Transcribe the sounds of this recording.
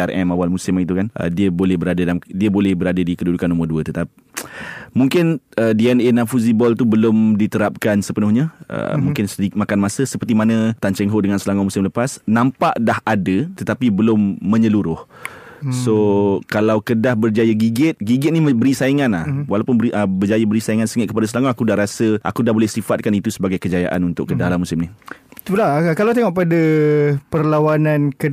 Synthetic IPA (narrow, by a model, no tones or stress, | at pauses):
arɛmawalmusɪmait̪ukanʔə̰diəbolɛhbəɾadədamdiəbolɛhbəɾadədikədudukanːomərduət̪ət̪api | mũŋkɪnədiɛnenafuzibɔlt̪ubəlʊmdit̪əɾap̚kansəpənʊhɲaʔə̰mũŋkɪnsədik̚makanmasəsəpərt̪imanə̃t̪ant͡ʃɛŋɦoʔdəŋãnsəlaŋamusɪmləpasnãmpaʔdaɦadət̪ət̪apibəlʊmːə̃ɲəluɾʊh | sokalawkədahbərd͡ʒajəɡiɡɪt̪̚ɡiɡɛt̪̚nibəɾisaiŋanahwalawpʊnbəiʔəbərd͡ʒajəbəɾisaiŋansəŋɪt̪̚kəpadasəlaŋaakudaɦɾasəʔa̰kudahbolɛhsifat̪̚kanit̪usəbaɡajkəd͡ʒaja̰ʔa̰nunt̪ʊ̰kːədahlahmusɪmnit̪ulakalawt̪eŋɔʔpadapərlawanãnkə